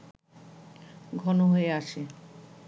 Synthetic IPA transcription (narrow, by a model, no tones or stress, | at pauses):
ɡʱɔnoɦoeaʃe